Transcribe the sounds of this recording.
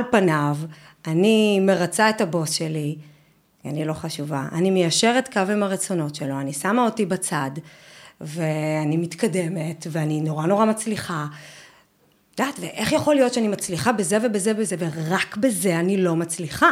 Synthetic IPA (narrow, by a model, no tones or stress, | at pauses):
lpanav | anime̞ʁat͡saetabo̞sʃeli | ea̰nilo̞χaʃuvaʔa̰nimejaʃe̞ʁetkavimaʁet͡so̞no̞tʃe̞lo̞anisamao̞tibat͡sad | veanimit̪kade̞me̞tveanino̞ʁano̞ʁamat͡sliχa | d̥̪aːtveʔe̞χjaχo̞lijo̞tʃeanimat͡sliχabeze̞ve̞bezevezeveʁakbeze̞anilo̞mat͡sliχa